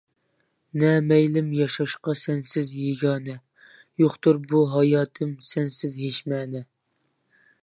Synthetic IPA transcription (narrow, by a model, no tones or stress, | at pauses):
nɛmɛjlɪmjɑʃɑʃqɑsɛnsɪzjeɡʲɑːnɛ | joχt̪uɾbuɦɑjɑːt̪ʰɨmsɛnsɪzɦeʃmɛːnɛ